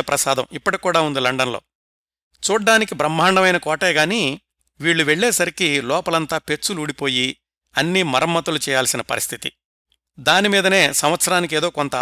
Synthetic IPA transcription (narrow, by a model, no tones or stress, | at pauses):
ɐpɾɐsaːd̪ɐmipːɐʈikuːɽaːund̪ilɐɳɖɐnlo̞̰ː | t͡ʃuːaːnikibɾɐmːaːɳɖɐmɐjnɐkɔːʈeːɡaːni | ʋiːɭːuʋeɭːɛːsɐɾikilɔːpɐlɐnt̪aːpe̞t͡ʃːuluːɽipo̞ːji | ɐnːiːmɐɾɐmːɐt̪ulut͡ʃɛːjaːlsinɐpɐ̰ɾist̪ʰit̪ḭ | d̪aːnimiːd̪ɐne̞ːsɐmʋɐt̪sɐɾaːnik̬eːd̪o̞ːkont̪ɐ